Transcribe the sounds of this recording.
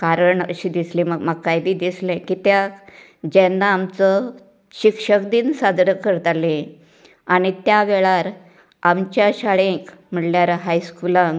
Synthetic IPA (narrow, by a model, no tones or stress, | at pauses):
kaɾəɳə̰ɕiːd̪islĩməɡməɡ̚kajbʱiːd̪islẽkiːt̪ja | d͡ʑẽnːaːmt͡sə | ɕikʂəkd̪insad̪ɾəkəɾt̪alẽ | aɽ̃it̪jaʋeɭaɾ | amt͡ɕjaɕaɭẽkm̤əɽljaɾəɦajskulãŋɡ